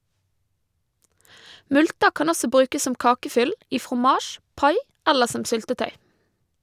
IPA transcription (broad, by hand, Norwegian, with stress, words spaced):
ˈmʉltə ˈkɑn ˈɔsɔ ˈbɾʉːkəs ˈsɔm ˈkɑːkəˌfʏl ˈiː fʁʊˈmɑːʃ ˈpɑɪ ˈɛləɾ ˈsɔm ˈsʏltəˌtœʏ